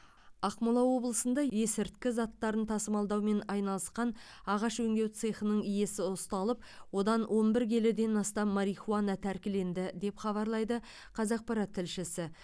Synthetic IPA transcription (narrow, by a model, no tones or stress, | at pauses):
ɑqmulˠɑwo̞blˠəsənd̪ɑje̞sɪɾt̪kʲɪzɑt̪ːɑɾənt̪ʰɑsəmɑlˠd̪ɑwme̞nɑjnɑlˠəsqɑn | ɑʁɑʃwɵŋɡ̪ʲewt̪sɨχənəɴije̞sɪʊst̪ɑlˠəp̚ | wo̞d̪ɑnwʔo̞nbɪɾɡʲelɪd̪e̞nɑst̪ɑmːɑɾijχuɑnɑt̪ʰæɾkʲɪle̞nd̪ɪd̪e̞pχɑβɑɾlˠɑjd̪ə | qʰɑzɑq̚pɑɾɑt̪ʰːɪlʃɪsɪ